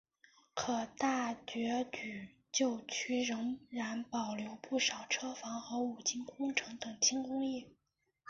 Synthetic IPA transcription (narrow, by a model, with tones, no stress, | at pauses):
kʰɤ˨˩t̪a˥˩t͡ɕɥɛ˧˥t͡ɕy˨˩ | t͡ɕjo˥˩˧ʊt͡ɕʰy˥ɻə˧˥ŋɻa˧˥npɑ˨˩ʊljo˧˥ʊpu˥˩ʂɑ˨˩ʊʈ͡ʂʰɤ˥fɑ˧˥ŋxɤ˧˥u˨˩t͡ɕi˥nkʊ˥ŋʈ͡ʂʰɤ˧˥ŋt̪ɤ˨˩ŋt͡ɕʰi˥ŋkʊ˥ŋjɛ˥˩